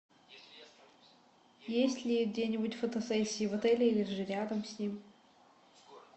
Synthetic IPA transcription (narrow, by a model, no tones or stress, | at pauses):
jesʲtʲlʲɪɡ̚dʲenʲɪbutʲfət̪ɐsɛsʲːiːvɐt̪ɛlʲɪilʲɪʐɨɾʲad̪əmsʲnʲim